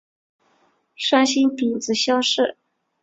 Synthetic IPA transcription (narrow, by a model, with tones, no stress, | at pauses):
ʂa˥nɕi˥npi˨˩nd͡zɹ̩˧˥ɕjɑ˥ŋʂɻ̩˥˩